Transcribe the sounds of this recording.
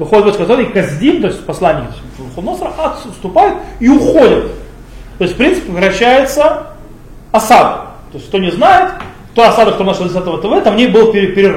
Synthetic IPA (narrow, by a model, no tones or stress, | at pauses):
vɨxodʲɪt̪bot̪ʲsʲfʲkɐt̪oɾəjkɐzʲdʲimt̪o̞ɪsʲtʲpɐslˠanʲːɪj | xod̪nosəɾəʔat̪st̪ʊpajɪt̪iʊxodʲɪt̪ | t̪o̞jst̪ʲfpɾʲinsɨ̥pʲɪvɨɾɐɕːæjɪt̪sə | ɐsad̪ɐ̰t̪o̞ɪsʲk̚t̪o̞nʲɪznajɪt̪ | t̪oɐsad̪ɨkt̪omnaʂəzʲɪsʲat̪əvət̪əvɛt̪amnʲejbɨlˠpʲɪɾʲɪpʲɪɾʲɪ